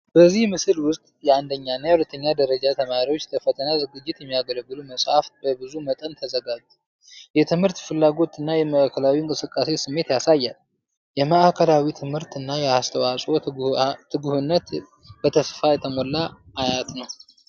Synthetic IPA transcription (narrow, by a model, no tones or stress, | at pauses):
b̥əzːihmɨsɨlwʊst̪ʼjɛand̪əɲːanːajawulət̪ʰːəɲːad̪əɾəd͡ʒat̪ʰəmaɾiwot͡ʃːləfət̪ʰənazɨɡɨd͡ʒːɪt̪jɛmːijaɡələɡːɨluməsʼhafbəbɨzumət̪ʼənt̪ʰəzəɡad͡ʒt̪ | jɛt̪ʰɨmhɨɾt̪fɨlːaɡo̞t̪ɨnːajɛməʔakʰəlawiɨŋkʼɨsɨkʼːase̞sɨmːe̞t̪jasajːal | jɛməʔakʰəlawit̪ʰɨmhɨɾt̪ɨnːajɛast̪ʰəwasʼo̞ | ɨɡuhɨnːət̪ | b̥ət̪ʰəsfajɛt̪ʰəmo̞lːa | ʔːjat̪nəw